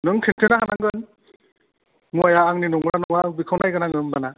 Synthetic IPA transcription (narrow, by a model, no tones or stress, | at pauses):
nɯŋkʰintʰɯnaɦanaŋɡɯn | muajaːŋninɔŋɾanɔŋaːŋbikʰawnajɡanaŋɯmbana